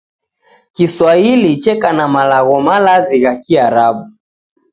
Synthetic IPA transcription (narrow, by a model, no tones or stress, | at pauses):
kiswailit͡ʃɛkanamalaɣɔmalaziɣakiaɾaɓu